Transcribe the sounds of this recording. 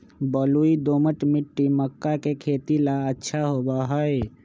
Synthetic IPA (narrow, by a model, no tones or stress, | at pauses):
bəluid̪oməʈmiʈːiməkːakekʰet̪ilaətːʃʰaɦobaɦəe